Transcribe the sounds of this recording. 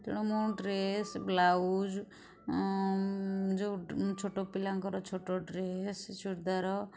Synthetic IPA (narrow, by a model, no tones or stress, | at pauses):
t̪ʰɔ̰ɽ̃omuɖɾesblaud͡ʒ | d͡ʒot͡ʃʰoʈɔpilaŋkɔɾɔt͡ʃʰoʈɔɖɾest͡ʃʰuɽd̪aɾɔ